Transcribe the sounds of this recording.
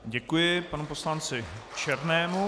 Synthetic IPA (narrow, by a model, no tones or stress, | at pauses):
ɟɛkujɪpanupo̞slant͡sɪt͡ʃɛɾnɛːmu